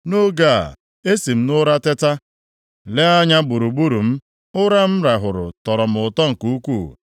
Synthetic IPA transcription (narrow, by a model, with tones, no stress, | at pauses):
no˦ɡa̰˦˨ | e˦si˨m̩˦nʊ˦ɾa˦tɪ˦ta˦ | le˦a˦ɲa˦bu˨ɾu˨ɡ͡bu˦ɾu˨m̩˦ | ʊ˦ɾa˦m̩˦ɾa˨ɦʊ˨ɾʊ̰˨tɔ˨ɾɔ˨m̩˨ʊ˨tɔ˦ŋ̩˨ku˦kʷuː˦˨